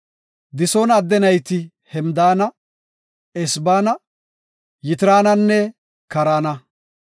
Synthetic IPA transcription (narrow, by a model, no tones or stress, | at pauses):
d̪ɪsoːnɐd̪ːɛnɐjt̪ɪ | hɛmd̪aːnɐ | ɛsbaːnɐ | jɪt̪ɪɾaːnɐnːɛ | kɐɾaːnɐ